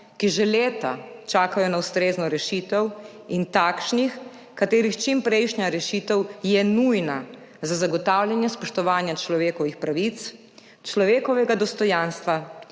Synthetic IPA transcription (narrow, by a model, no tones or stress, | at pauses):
kiʒɛleːt̪at͡ʃaːkajɔnawst̪ɾeːznɔɾɛʃit̪ɛw | int̪aːkʃnix | kat̪eːɾixt͡ʃimpɾɛjʃnɲjaɾɛʃit̪ɛwjɛnujna | zazaɡɔt̪aːwljanjɛspɔʃt̪ɔʋaːnjat͡ʃlɔʋeːkɔʋixpɾaʋit̪s | t͡ʃlɔʋeːkɔʋɛɡad̪ɔst̪ɔjanst̪ʋa